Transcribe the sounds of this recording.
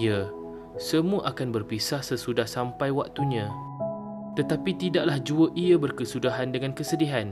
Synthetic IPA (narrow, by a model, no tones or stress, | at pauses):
ja | səmũaʔakanbərpisahsəsudahsampajwak̚t̪uɲã | t̪ət̪apit̪idaʔlahd͡ʒuəʔiəbərkəsudaɦandəŋankəsədiɦan